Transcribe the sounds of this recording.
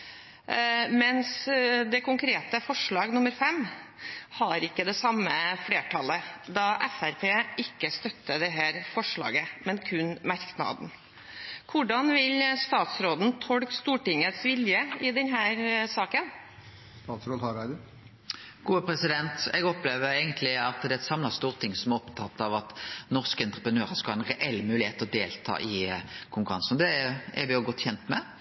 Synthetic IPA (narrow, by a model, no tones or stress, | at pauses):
mɛnsd̪ɛkʰʊŋkʰɾeːt̪əfɔʂɭɑːɡnʊməɾfɛm | hɑɾɪkːəd̪ɛsɑmːəfleːʈʰɑlːəd̪ɑʔɛfæɾpʰeːɪkːəst̪œt̪ːəd̪ɛɦæːɾfɔʂɭɑ̰ːɡəmɛnkʰʉnmɑɾknɑ̰d̪n̩ | kʰʊɖɑnʋɪlst̪ɑːt̪sɾoːd̪n̩t̪ʰɔɽkst̪uːʈɪŋət̪sʋɪljəɪd̪ɛnɦæːɾsɑːkən | st̪ɑːt̪sɾoːd̪hɑɾɑd̪ʊ | ɡ̥uːəpʰɾɛsɪd̪ɛnt̪ɛɡɔpleːʋəɾeːɡənt̪lɪɑt̪d̪ɛæɛt̪sɑmlɑst̪uːʁt̪ʰɪŋːsɔmæɾɔpt̪ʰɑt̪ːɑʋɑt̪nɔʁskəɛnt̪ʁəpʁənøːɾəskɑlɑːɛnʁɛʔɛlːmʉːlɪheːt̪əɔd̪eːlt̪ʰɑ̰ːʔɪkʰʊŋkʉɾɑnsn̩ɔd̪ɛɛʋɪjʊɡɔt̪ːçɛnt̪mɛ